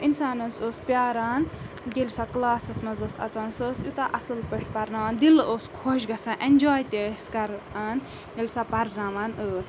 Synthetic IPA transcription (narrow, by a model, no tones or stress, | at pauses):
ʔinsaːnɐnsoːspʲjaːɾaːn | ɡelʲsaklaːsɐsmɐzɐsɐ̰t͡saːnsəsjut̪aʔɐsɨlpɐʂʈ̚pɐɾnaːaːnd̪iloːskʰoːʃɡɐsaːnʔend͡ʒaːjt̪ʲeskɐɾaːn | ɡelʲsapɐɾnaːmanəːs